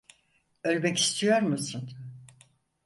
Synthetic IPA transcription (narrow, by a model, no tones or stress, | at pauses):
ølʲbɛci̥st̪ʰijoɾmusɯn